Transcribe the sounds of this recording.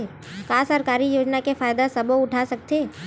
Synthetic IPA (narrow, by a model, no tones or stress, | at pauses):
kaːsəɾkaːɾijoːd͡ʒnakefaːjd̪asɐboʊʈʰasɐk̚t̪eː